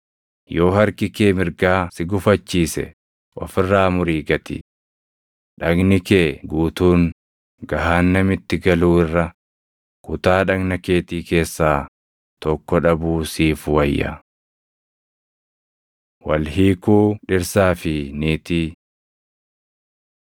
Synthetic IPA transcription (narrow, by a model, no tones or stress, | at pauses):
jo̞ːɦɐɾkɪkeːmɪɾɡaːsɪɡʊfɐt͡ʃːiːsɛ̰ | ʔɔ̰fɪrːaːmʊɾiːɡɐt̪ɪ̰ | ᶑɐɡnɪkeːɡuːt̪uːŋ | ɡɐɦaːnːɐmɪt̪ːɪɡɐluːɪrːɐ | kʊt̪aːᶑɐɡnɐke̞ːt̪iːke̞ːsːaː | t̪ɔkːɔᶑɐbuːsiːfwɐjːɐ̰ | wɐlhiːkuːᶑɪɾsaːfɪniːt̪iː